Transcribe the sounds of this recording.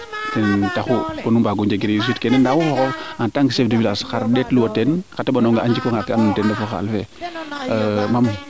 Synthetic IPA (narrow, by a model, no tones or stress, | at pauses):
tɛntaxukonumbaɡud͡ʒeɡiɾis̬utkɛnɛndawufɔkɔantaŋɡisefdifilaskaɾdɛtluwotɛnkatabanɔŋɡaɲd͡ʒikoŋakanuntɛndafoxa̰lfɛ | mam